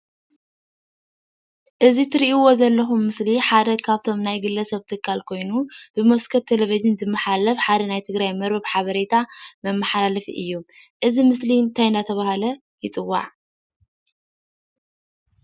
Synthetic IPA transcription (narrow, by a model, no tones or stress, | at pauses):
ʔɨzit̪ʰɨɾiʔiwo̞zɐlːɐxumːɨsliħad̪ɐkʰaβt̪ʰo̞mnajɡɨlːɐsɐβt̪ʰɨkʰːalkʰo̞jnub̥ɨmoskʰɐt̪ʰːelevizɨnzɨmːɐħalɐfħad̪ɐnajt̪ʰɨɡɾajmɐɾbɨβħaβɐɾet̪ʰamɐmːɐħalalɐfiʔɨ̰jːuʔɨzimɨsliɨnt̪ʰajɨnd̪at̪ʰɐβahalɐ | jɪt͡sʼɨwːa̰ʕ